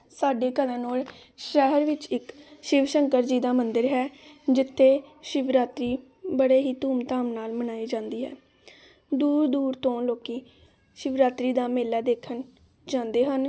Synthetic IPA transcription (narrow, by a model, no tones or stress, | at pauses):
saːɖeːkəd̪ãːnoːl | ʃɛːɦəɾʋɪt͡ʃɪkʃɪʋʃəŋkəɾd͡ʒiːd̪aːmənd̪əɾɦɛːd͡ʒɪt̪ʰːeːʃɪʋɾaːt̪ɾiː | bəɽeːɦiːt̪uːmt̪aːmnaːlmənaːiːd͡ʒãːnd̪iːɦɛ̰ː | d̪uːɾd̪uːɾt̪õːloːkiː | ʃɪʋɾaːt̪ɾiːd̪aːmeːlaːd̪eːkʰən | d͡ʒãːnd̪eːɦən